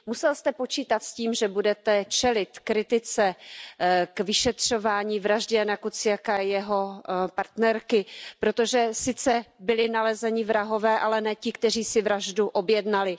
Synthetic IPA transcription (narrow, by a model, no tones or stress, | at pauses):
musɛlst̪ɛpo̞t͡ʃiːt̪at̪sciːmʒɛbudɛt̪ɛt͡ʃɛlɪt̪kɾɪt̪ɪt͡sɛ | kvɪʃɛt̪r̝̥o̞vaːɲiːvɾaʒɟɛnakut͡sɪjakajɛɦo̞paɾt̪nɛɾkɪpɾo̞t̪oʒɛsɪt͡sɛbɪlɪnalɛzɛɲɪvɾaɦo̞vɛːʔalɛnɛːcɪkt̪ɛr̝iːsɪvɾaʒduʔobjɛdnalɪ